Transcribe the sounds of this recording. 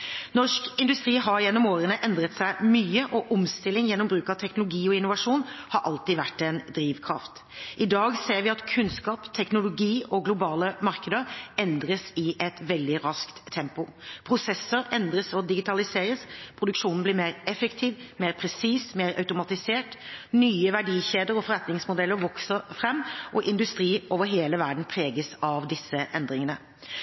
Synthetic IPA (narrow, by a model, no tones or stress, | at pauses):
nɔʂkɪnd̪ʉst̪ɾiːɦɑɾjɛnːɔmoːɾənəʔɛnd̪ɾət̪sæɪmyːəʔɔʔɔmst̪ɪlːɪŋjɛnːɔmbɾʉːkɑʋt̪ʰɛknʊlʊɡiːɔɪnːʊʋɑʂuːnhɑɾʔɑlt̪iːʋæʈːɛnd̪ɾiːʋkʰɾɑ̰ft̪ | ʔɪd̪ɑːɡseːɾʋɪɑt̪kʰʉnskɑːpt̪ʰɛknʊlʊɡiːʔɔɡlʊbɑːləmɑɾkəd̪əɾɛnd̪ɾəsɪʔɛt̪ʋɛld̪ɪɾɑskt̪ʰːɛmpʊpʰɾʊsɛsːəɾɛnd̪ɾəsɔd̪ɪɡɪt̪ɑlɪseːɾəspʰɾʊd̪ʉkʂuːnn̩blɪːɾmeːɾɛfəkt̪ʰiːʋmeːɾpʰɾɛsiːsmeɪɾʔɑ̰ʉt̪ʊmɑt̪ɪseːʈnyːəʋæɖiːçeːd̪əɾɔfɔɾɛt̪nɪŋsmʊd̪ɛlːəɾʋɔksəɾfɾɛmːʔɔʔɪnd̪ʉst̪ɾiːʔoːʋəɦeːləʋæɖn̩pʰɾeːɡəsɑʋd̪ɪsːəʔɛnd̪ɾɪŋənə